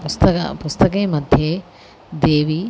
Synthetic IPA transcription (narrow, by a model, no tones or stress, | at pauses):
pust̪ɐkɐ̰pust̪ɐkeːmɐd̪ʱjeː | d̪eːʋi